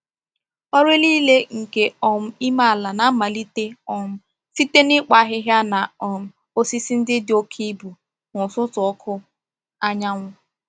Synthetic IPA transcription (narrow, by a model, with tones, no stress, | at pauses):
ɔ˦ɾe˦liː˦le˦ŋ̩˨ke˨ɔ˨m̩˦i˦ma˦a˨la˨na˦ma˨li˦te˦ɔ˨m̩˦ | si˦te˦nɪ˦k͡pa˨˦ɦɪ˦ɦja˦na˨ɔ˨m̩˨ | o˦si˦si˦n̩˦dɪ˦dɪ˨˦o˦kʰi˦bu˨ | ŋʊ˨sʊ˦tʊ˨ɔ˦kʰʊ˦ | a˦ɲa˦ŋʷʊ˦